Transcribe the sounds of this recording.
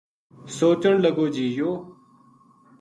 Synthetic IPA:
soːt͡ʃəɳləɡoːd͡ʒiːjoː

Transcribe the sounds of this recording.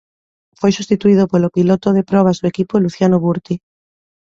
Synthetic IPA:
fojsust̪it̪uið̞opolopilot̪oðepɾɔβ̞azðoekipoluθjanoβuɾt̪i

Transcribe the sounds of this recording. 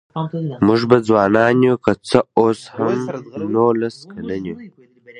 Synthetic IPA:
muʐbad͡zwɑːnɑːnjukat͡səoːshamnolaskʰalanju

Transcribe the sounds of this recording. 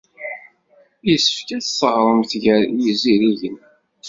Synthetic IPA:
jəsːə̥fkæθsəʁɾˤəmθʝəɾjiziɾiʝən

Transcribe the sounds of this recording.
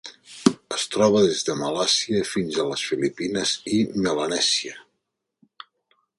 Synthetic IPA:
əst̪ɾɔβ̞əðezðəməlasiəfinzələsfilipinəzimələnɛziə

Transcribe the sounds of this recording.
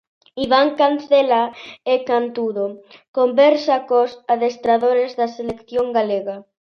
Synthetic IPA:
iβ̞aŋkan̟θelaekant̪uðokombeɾsakosaðest̪ɾaðoɾezðaselekθjoŋɡaleɣa

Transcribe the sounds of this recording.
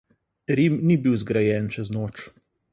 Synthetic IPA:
ɾimnibiwzɡɾajɛnt͡ʃɛznoːt͡ʃ

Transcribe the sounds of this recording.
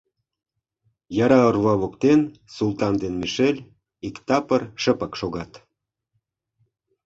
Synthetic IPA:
jɑɾɑorβɑβokt̪ensult̪ɑnd̪enmiʃelʲ | ikt̪ɑpərʃəpə̆kʃoɣɑt̪

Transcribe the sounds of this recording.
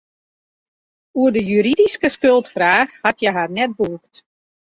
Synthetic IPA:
uədəjyɾidiskəskølˠtfraːxhatjɛɦarnɛt̚buːxt

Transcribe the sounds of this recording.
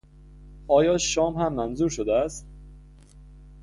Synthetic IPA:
ʔɒːjɒːʃɒːmhæmːænzuːɾʃod̪eæst̪̚

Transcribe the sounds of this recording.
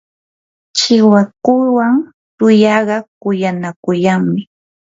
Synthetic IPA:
t͡ʃɪwakʊjwaŋ | t̪ʊjɑɢɑkʊjanakʊjaŋmɪ

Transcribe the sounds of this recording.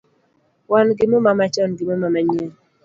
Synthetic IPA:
wanɡɪmomamat͡ʃɔnɡɪmomamaɲe

